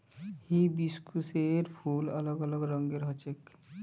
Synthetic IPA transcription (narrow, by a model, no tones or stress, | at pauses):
hibiskuseɾpʰulələɡələɡɾəŋɡeɾɦɔt͡ʃek